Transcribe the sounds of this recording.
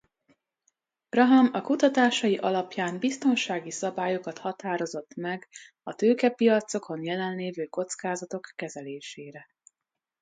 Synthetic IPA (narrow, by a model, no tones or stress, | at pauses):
brɒɦɒmɒkut̪ɒt̪aːʃɒjiʔɒlɒpjaːmbist̪o̞nʃaːɡisɒbaːjo̞kɒt̪hɒt̪aːɾo̞zo̞t̪ːmɛɡ | ɒt̪øːkɛpijɒt̪so̞kʰo̞njɛlɛnleːvøːko̞t̪skaːzɒt̪o̞kːɛzɛleːʃeːɾɛ